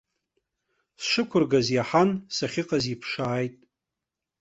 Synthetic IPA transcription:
sʂɨkʷʰʊrɡazjaħansaχʲɪqʼazipʰʂaːjtʼ

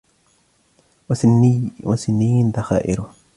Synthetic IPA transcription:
wasɪnːijnd̪axaːʔɪ̰ɾʊ

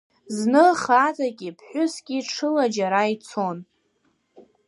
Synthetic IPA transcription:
znɨχatʰʼaɡʲipʰħʷᶣʊsɡʲiʈ͡ʂʰɨlad͡ʒaɾait͡sʰo̞n

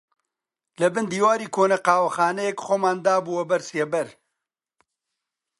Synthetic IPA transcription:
lɐbɨnd̪iːwaːɾiːkʰoːnɐqaːwɐxaːnɛjɛkχoːmaːnd̪aːbuːwɐbɐɾsebɐɾ

